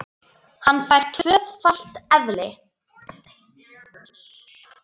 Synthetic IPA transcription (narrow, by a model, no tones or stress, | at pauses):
hanːfajr̥t̪ʰvœːðfal̥t̪ɛðlɪ